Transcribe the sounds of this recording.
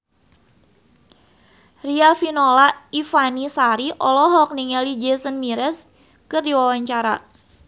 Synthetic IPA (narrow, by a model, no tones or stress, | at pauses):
rialfinolaifanisaɾiʔɔlɔɦɔk̚niŋɛlid͡ʒesənmiɾɛs | kɨrdiwawaɲt͡ʃaɾa̰